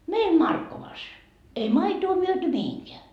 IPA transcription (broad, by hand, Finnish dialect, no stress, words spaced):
meim mɑrkːoʋɑs ei mɑitoː myøty mihiŋkeæ